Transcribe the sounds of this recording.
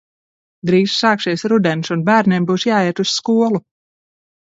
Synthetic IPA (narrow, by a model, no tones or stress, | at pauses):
d̪ɾiːssɑːksiɛsɾud̪ɛnsunbæːɾnʲembuːsjaːiɛt̪usskuɔlˠu